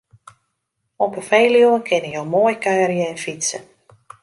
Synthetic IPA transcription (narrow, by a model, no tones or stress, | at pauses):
ɔpəfejljuənkʰɪnəjolmoːjkʰœːrjəɛnfisə